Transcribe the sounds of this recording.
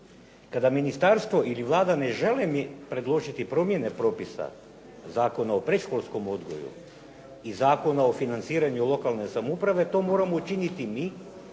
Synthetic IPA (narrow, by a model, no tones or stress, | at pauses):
kad̪aminist̪aɾst̪ʋo̞ʔiliʋlˠaːd̪ane̞ʒe̞lemipɾe̞d̪lˠo̞ʒit̪ipɾo̞mje̞ne̞pɾo̞ːpisa̰ | zaːko̞naopɾe̞ʃkolˠsko̞mo̞d̪ɡo̞̰jṵ | izaːko̞naofinant̪siːɾaɲulˠo̞kalˠnesamupɾaʋe̞t̪o̞ːmo̞ːɾamout͡ʃinit̪imiː